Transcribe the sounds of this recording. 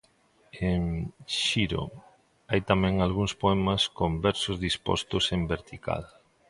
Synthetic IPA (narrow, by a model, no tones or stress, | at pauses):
eŋʃiɾo̰ | ajt̪amɛ̃ŋalɣuŋspoɛmɐskombɛɾsozðispo̰st̪ʊsembeɾt̪ikʰa̰l